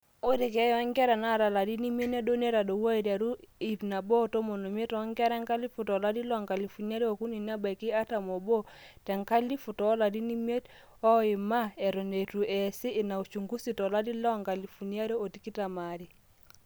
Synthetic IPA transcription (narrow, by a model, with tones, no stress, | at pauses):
o˦ɾi˨kɛ˨˦jɔ˦ŋɡɛ˦ɾɛ˨na˦˨ɾa˨la˨di˦ni˦me˦ne˦do˦ne˦ɾa˨do˨wa˦i˨ɾja˨ɾu˦i˨pna˨bɔ˦˨to˦mo˨no˨me˦tɔ˨˦ŋɡɛ˦ɾɛ˦ŋka˦li˦fu˨tɔ˨la˦di˦lɔ˦˨ŋka˨li˨fu˨nja˦ɾe˦o˨ku˦ni˨ni˦a˦ba˨i˨ki˦a˦ta˨mɔ˨bo˦ | tɛ˨ŋka˦li˦fu˨tɔː˨˦la˨di˦ni˦me˦t | ɔ˦ɪ˨ma˦ɛ˨ɾo˨ne˨tu˨ʔɛ˨siː˦˨na˨u˨t͡ʃu˨ŋɡu˦si˨tɔ˨la˦di˦lɔ˦ŋka˨li˨fu˨n˦a˦ɾe˦o˨ti˦ki˦ta˨ma˨ɾi˨